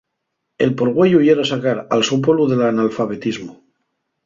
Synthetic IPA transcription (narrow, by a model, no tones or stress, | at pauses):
e̞̰lpoɾɣwe̞jujeɾasakaɾa̰lsop̬wolβuðe̞lanalfaβ̞e̞t̪izmo